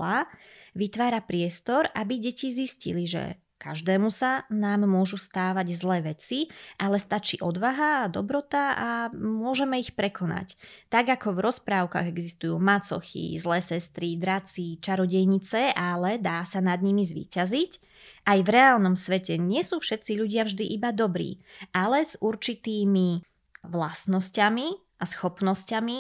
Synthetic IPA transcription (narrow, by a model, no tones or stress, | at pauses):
aʋit̪ʋaːɾapɾɪɛst̪ɔɾʔabiɟɛciziscḭliʒɛ̰ | ka̰ʒd̪ɛːmusanaːmːʊɔʒust̪aːʋaɟzlɛːʋɛt͡siʔalɛst̪at͡ʃḭːʔɔd̪ʋaɦaːd̪ɔbɾɔt̪aamʊɔʒɛmɛixpɾɛkʰɔna̰ct̪aɡakɔvɾɔspɾaːʊka̰ːɣɛɡzist̪ujuːmat͡sɔ̰xḭzlɛːsɛst̪ɾid̪ɾat͡sit͡ʃaɾɔɟɛjɲit͡sɛalɛd̪aːsanad̪ɲimizʋḭːcazic | ʔajvɾɛaːlnɔmsʋɛcɛɲɪɛsuːfʃɛt̪t͡siʎuɟɪavʒd̪iʔibad̪ɔbɾḭːʔalɛz̥uɾt͡ʃit̪iːmi | ʋlasnɔscami | ʔasxɔpnɔscami